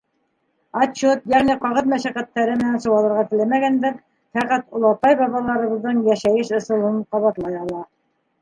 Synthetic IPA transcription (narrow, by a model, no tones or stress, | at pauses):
ɑt͡ʃut̪jæʁniqɑʁɤðmæʃæqæt̪ːæɾɘmɘ̆nænsɤ̆wɑlˠɤ̆ɾʁɑt̪ɘ̆læmæɡænd̪æɾ | fæqæt̪ŏlˠɑt̪ɑjbɑβɑlˠɑɾɤ̆βɤ̆ðːɤɴjæʃæjɘʃɤ̆sɤ̆lˠɤɴqɑβɑt̪lˠɑjɑlˠɑ